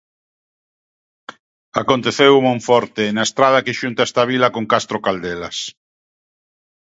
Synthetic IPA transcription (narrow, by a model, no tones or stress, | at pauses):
akont̪eθewumõɱfɔɾt̪enaest̪ɾaðɐkeʃunt̪aest̪aβilɐkoŋkast̪ɾokald̪elas